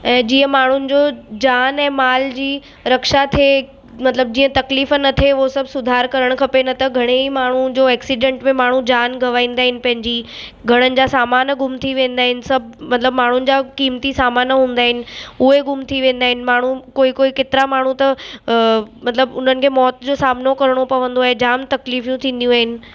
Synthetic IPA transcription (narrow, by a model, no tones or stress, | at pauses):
ɛ̃ːd͡ʑiːə̃maːɳ̤ʊnɪ̆d͡ʑoːd͡ʑaːnɛ̃ːmaːld͡ʑiː | ɾɐkʃat̪ʰe | mɐt̪ləb̚d͡ʑiːə̃t̪ɐkliːfnɐt̪ʰeʊosɐbʱsʊd̪ʱaːɾkɐɾəɽ̃kʰɐpenɐt̪ɐɡʱɐɽ̃eimaːɳ̤ud͡ʑoːɛːksiɖẽːɳʈmẽmaːɳ̤ũd͡ʑaːnɡʱɐʋaːĩːnd̪aːɦɪnɪ̆pɐ̃ɦɪ̃ɲd͡ʑi | ɡʱɐɽ̃ənɪ̆d͡ʑaːsaːmaːnɡʱʊmt̪ʰiʋẽːnd̪aːɦɪnɪ̆sɐbʱmɐt̪ləbmaːɳ̤ʊnɪ̆d͡ʑaːkiːmt̪isaːmaːnɦũːnd̪aːɦɪnɪ̆ʊɦeɡʱʊmt̪ʰiʋẽːnd̪aːɦɪnɪ̆maːɳ̤ũkoːikoːiket̪ɪɾamaːɳ̤ũt̪ɐ | mɐt̪ləbʊn̤ənɪ̆kʰeːmɔːt̪d͡ʑoːsaːmnokɐɾɽ̃opɐʋə̃nd̪oaːɦed͡ʑaːmt̪ɐkliːfjũt̪ʰĩːn̆d̪ijũaːɦɪnɪ̆